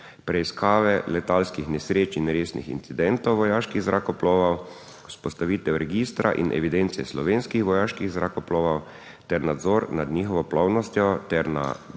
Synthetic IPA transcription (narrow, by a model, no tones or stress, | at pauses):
pɾɛiskʰaːʋɛlɛt̪alskixnɛsɾeːt͡ʃinɾeːsnḭxḭnt̪sid̪ɛnt̪ɔwʋɔjaːʃkiɣzɾakɔplɔːʋaw | u̥spɔst̪aʋit̪ɛwɾɛɡist̪ɾaʔḭnʔɛ̰ʋid̪ɛnt̪siɛslɔʋeːnskixʋɔjaːʃkiɣzɾakɔploːʋaw | t̪ɛɾnad̪zɔːɾnad̪ɲiːxɔʋɔplɔwnɔst̪jɔt̪ɛɾna̰